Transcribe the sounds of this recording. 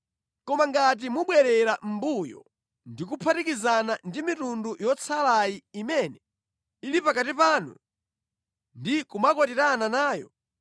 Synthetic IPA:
kɔmaŋɡat̬imuɓwɛɾɛɾam̩bujɔ̰ | ndikupʰatikizanandimitundujɔt͡sʰalajiimɛnɛ | ilipakatipaːnṵ | ndikumakwɔtiɾananaːjɔ̰

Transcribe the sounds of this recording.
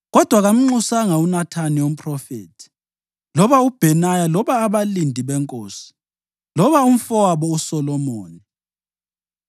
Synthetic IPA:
ɣɔd̥ʱwaɣam̩ŋ͡ǃusaŋaunatʰaniwom̩pʼʰrɔfḛːtʰi̥ | lɔβaub̥ʱɛnajalɔβaːβalindʱiβɛŋkʼoːsi̥ | lɔβaum̩fɔwaβɔusɔlɔmoːni

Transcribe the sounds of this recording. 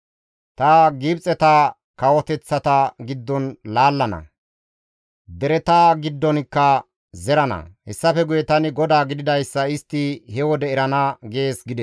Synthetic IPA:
t̪ɐɡiːbt͡sʼːɛt̪ɐ | kɐwɔt̪ɛt͡sːɐt̪ɐɡɪd̪ːɔnlaːlːɐnɐ̰ | d̪ɛɾɛt̪aːɡɪd̪ːɔnkːɐ | zɛɾɐnɐ̰hɛsːɐfɛɡʊjɛt̪ɐnɪɡɔd̪aːɡɪd̪ɪd̪ɐjsːɐɪst̪ːɪhɛwɔd̪ɛɛɾɐnɐɡe̞ːsɡɪd̪ɛ

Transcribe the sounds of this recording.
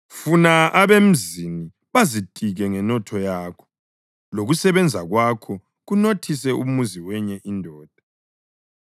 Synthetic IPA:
funaaβem̩zini | βazitʼiɣɛŋɛnɔtʰɔjaːkʰɔ̥ | loɣusɛβɛnd͡zʱaɣwakʰɔ | ɣunotʰis̬ɛʔumuziwɛɲɛʔindʱɔːd̥ʱa

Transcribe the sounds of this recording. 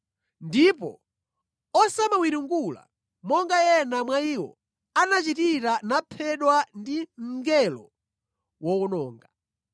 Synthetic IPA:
ndipɔ̰ | ɔsamawiɾuŋɡula̰ | mɔŋɡajɛnamwaiwɔ̰ | anat͡ʃitiɾanapʰɛɗwandim̩ɡɛlɔ̰ | wɔunɔːŋɡa

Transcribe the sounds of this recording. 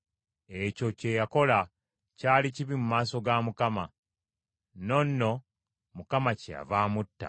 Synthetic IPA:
eco̞ce̞jako̞la | caːliciβimumaːso̞ɡamukama | no̞nːo̞ | mukamacija̰vaːmutːa̰

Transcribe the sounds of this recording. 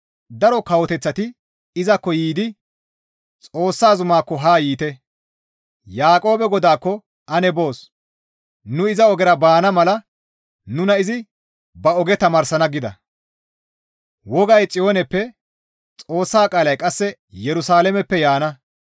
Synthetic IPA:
d̪ɐɾɔkɐwɔt̪ɛt͡sːɐt̪ɪ | ɪzɐkːɔjiːd̪ɪ | t͡sʼo̞ːsːaːzʊmaːkːɔɦaːjiːt̪ɛ | jaːkʼo̞ːbɛɡɔd̪aːkːɔ | ɐnɛbo̞ːs | nʊɪzɐɔɡɛɾɐbaːnɐmɐlɐ | nʊnɐɪzɪ | bɐɔɡɛt̪ɐmɐːɾsɐnɐɡɪd̪ɐ̰ | wɔɡɐjt͡sʼɪjoːnɛpːɛ | t͡sʼo̞ːsːaːkʼaːlɐjkʼɐsːɛ | jɛɾʊsaːlɛmɛpːɛjaːnɐ

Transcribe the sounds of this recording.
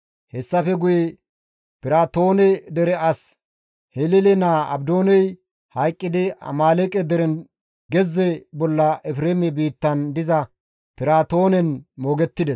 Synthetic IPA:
hɛsːɐfɛɡʊjɛ | pɪɾaːt̪o̞ːnɛd̪ɛɾɛɐs | hɛlɪlɛnaɐ̰bd̪o̞ːnɛj | hɐjkʼːɪd̪ɪɐ̰maːlɛkʼɛd̪ɛɾɛn | ɡɛzːɛbɔlːɐɛfɾeːmɛbiːt̪ːɐnd̪ɪzɐ | pɪɾaːt̪o̞ːnɛnmoːɡɛt̪ːɪd̪ɛs

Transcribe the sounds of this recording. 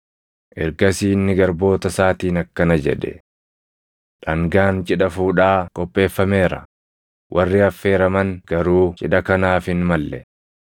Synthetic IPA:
ʔɛɾɡɐsiːnːɪɡɐɾbo̞ːt̪ɐsaːt̪iːnɐkːɐnɐd͡ʒɛ̰ᶑɛ̰ | ᶑɐŋɡaːnt͡ʃʼɪᶑɐfuːᶑaːkʼɔpʼːe̞ːfːɐme̞ːɾɐ | wʔɐrːɪɐfːe̞ːɾɐmɐnɡ̥ɐɾuːt͡ʃʼɪᶑɐkɐnaːfɪnmɐlːɛ

